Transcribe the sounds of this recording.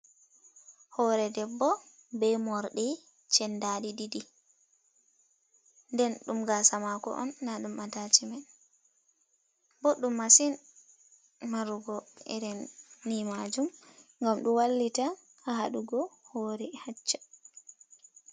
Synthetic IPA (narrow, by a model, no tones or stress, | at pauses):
hɔɾɛdɛbːɔ | bɛjmɔɾɗɛ | t͡ʃɛndaɗididi | ndɛnɗumɡasamakɔ̰ʔɔ̰nːaɗumatat͡ʃimɛn | bɔɗːumːasin | maɾuɡɔɛ̰ɾɛnːimad͡ʒumŋɡamɗuwalːitaː | ɦaɗuɡɔhɔːɾɛhat͡ʃːḁ